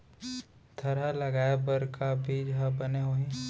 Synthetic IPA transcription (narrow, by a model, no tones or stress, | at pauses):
t̪ʰɐɾalɐɡaːebɐɾkabʱiːd͡ʒɦabɐneɦoːɦĩ